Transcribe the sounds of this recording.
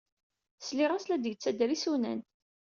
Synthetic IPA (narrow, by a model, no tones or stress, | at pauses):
sliʁæslæd̪jət͡sːæd̪ɾisunæ̰n